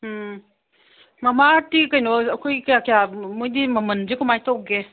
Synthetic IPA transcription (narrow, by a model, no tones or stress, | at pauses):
mɐmatikɐjnɔɐkʰojkjakjamojdimɐmənzikumajtʰowɡe